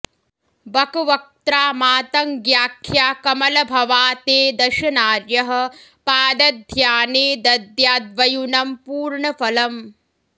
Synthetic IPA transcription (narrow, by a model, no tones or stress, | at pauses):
bɐkɐʋɐk̚t̪ɾaːmaːt̪ɐŋɡjaːkʰjaːkɐmɐlɐbʱɐʋaːt̪eːd̪ɐʃɐnaːɾjɐɦɐ̆ | paːd̪ɐd̪ʱjaːneːd̪ɐd̪jaːd̪ʋɐjunɐmpuːɾɳɐfɐlɐm